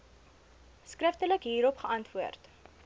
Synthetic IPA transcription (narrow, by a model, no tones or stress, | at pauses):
skrəftələkɦiːɾɔpχəʔɐntvuərt